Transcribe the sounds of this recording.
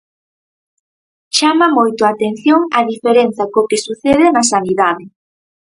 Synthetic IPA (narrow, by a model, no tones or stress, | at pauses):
t͡ʃamɐmojt̪ʊat̪en̟θjoŋɐðifeɾenθɐkokesuθeðɪnɐsaniðaðɪ